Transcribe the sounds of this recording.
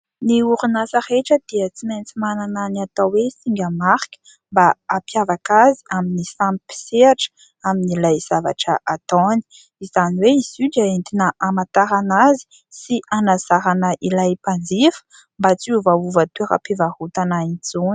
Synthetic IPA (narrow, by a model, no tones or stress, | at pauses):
niuɾunasəreʈ͡ʂəd̪iət͡siment͡simanananiat̪awwesiŋɡʲəmaɾkə̥ | mbaapjavakaziaminisãmipi̥seaʈ͡ʂə̥ | aminilajz̥ava̰ʈ͡ʂəʔat̪oni̥ | izaniweizid͡ʒaent̪inəʔamat̪aɾanazi̥ | sianaz̥aɾanəʔilajpand͡zifə̥ | mbat͡siuvauvat̪weɾa̰pivahut̪anaint͡sun